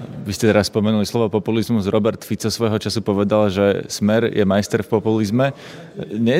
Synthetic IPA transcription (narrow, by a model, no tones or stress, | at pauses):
ʋiscɛt̪ɛɾasspɔmɛnulislɔʋɔpɔpulizmuzɾɔbɛɾt̪fit͡sɔsʋɔjɦɔt͡ʃasupɔʋɛd̪alaʒɛsmɛɾjɛmajst̪ɛɾfpɔpulizmɛ | ɲɛ